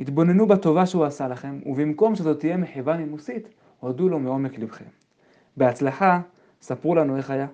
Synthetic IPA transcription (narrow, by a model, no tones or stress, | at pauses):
hit̪bo̞ne̞nubat̪o̞vaʃeuasalaχe̞mṵbimko̞mʃeat̪ot̪ije̞meħevamimusit̪ | hodulomeo̞me̞klibχḛm | beat͡slaħa | sapʁulanue̞χaja